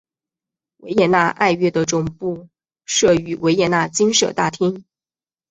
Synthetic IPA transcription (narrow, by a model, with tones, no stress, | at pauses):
we˧˥ɪjɛ˥˩na˥˧ʔa̰˥˧ɪɥɛ˥˩d̪ə˩ʈ͡ʂʊ˨˩ŋpu˥˩ | ʂɤ˥˩y˧˥we˧˥ɪjɛ˥˩na˥˩t͡ɕi˥nʂɤ̰˨˩t̪a˥˩t̪ʰi˥ŋ